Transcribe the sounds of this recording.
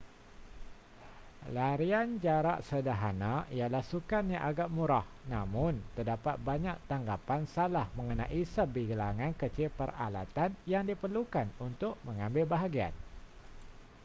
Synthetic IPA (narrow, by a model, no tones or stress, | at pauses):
laɾiand͡ʒaɾaʔsədaɦanaijalahsukanɲaʔaɡaʔmuɾahnamʊnt̪ərdapat̪̚baɲaʔt̪aŋɡapansalahməŋənaʔisəbiɡəlaŋankət͡ʃɪlpəra̰la̰t̪anjaŋdipərlukanunt̪ʊkʔ̚məŋambɪlbaɦaɡia̰n